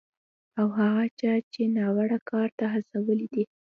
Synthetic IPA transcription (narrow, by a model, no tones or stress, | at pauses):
awɦaɣat͡ʃɑt͡ʃenɑwaɽakʰɑɾt̪aɦasawəlid̪i